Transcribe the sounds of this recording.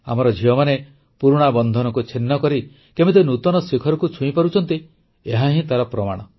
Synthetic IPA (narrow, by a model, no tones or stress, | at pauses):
a̰mɔɾɔd͡ʒʱiɔmane | puɾuɽ̃abɔnd̪ʱɔnɔkut͡ʃʰenːɔkɔɾi | kemit̪̬enut̪ɔnɔsekʰɔɾɔkut͡ʃʰũĩpaɾut͡ʃʰɔnt̪i | eɦaɦĩt̪aɾɔpɾɔmaɽ̃ɔ